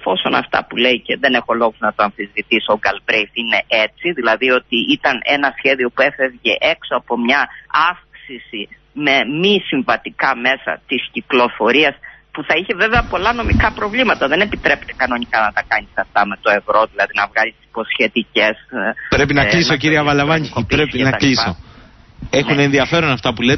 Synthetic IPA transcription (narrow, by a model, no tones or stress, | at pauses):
fo̞so̞nɐ̰ft̪ɐ̰pule̞iceðe̞ne̞xo̞lo̞ɣuznɐt̪oɐnfizvit̪isoɡɐlbɾejθine̞ʔet͡siðilɐðio̞t̪iit̪ɐne̞nɐsçe̞ðio̞pue̞fevʝe̞ʔe̞ksoɐpo̞mɲɐɐfksisi | me̞misiɱvɐt̪ikɐme̞sɐ̰t̪isciklo̞fo̞ɾiɐspuθɐiçe̞ve̞veɐpo̞lɐno̞mikɐpɾo̞vlimɐt̪ɐðe̞ne̞pit̪ɾe̞pt̪ekɐno̞ɲikɐnɐt̪ɐkɐnisɐft̪ɐme̞t̪o̞e̞vɾo̞ðilɐðinɐvɣɐɾist̪i̥si̥po̞sçe̞t̪ice̞spɾepinɐklisociɾiɐvɐlɐvɐɲiopɾɾespinɐɐkliso | exunenðiɐfe̞ɾonɐft̪ɐpule